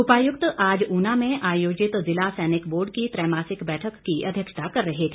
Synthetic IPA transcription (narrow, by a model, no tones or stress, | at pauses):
ʊpaːjʊkt̪aːd͡ʒuːnamẽʔaːjoːd͡ʒɪt̪zɪlasɛːnɪkboːɾɖkit̪ɾɛːmaːsɪkbɛːʈʰəkːiɐd̪ʱjəkʃə̥t̪akɐɾːɐɦek̪ʰi